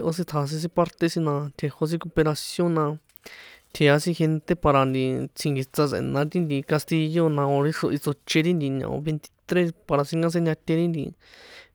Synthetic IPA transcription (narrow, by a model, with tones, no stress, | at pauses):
e˧ʔo˧sĩ˧t̪ʰa˨˧s̬ĩ˧s̬ĩ˧pa˧ɾt̪e˧sĩ˧nã˧t̪ʲʰe˧ho˧s̬ĩ˦ko˧pe˧ɾa˧sjõ˦nã˧ | t̪ʰe˨˧a˧sĩ˦xe˧nt̪e˧pa˧ɾa˧nd̪i˧t͡sʰĩ˧ŋɡi˧t͡sa˧sḛ̃˨˧nã˧˦t̪i˦nd̪i˧ka˧st̪i˧jo˦˧nã˧o˧ɾi˦ʂo˧ʔi˧t͡so˧t͡ʃe˧ɾi˦nd̪i˧ɲã̰˨õ̰˧βe˧nt̪i̥˧t̪ɾe˦spa˧ɾa˧sĩ˦ŋɡã˦s̬ẽ˧ɲã˧t̪ʲe˧ɾi˦nd̪ḭ˧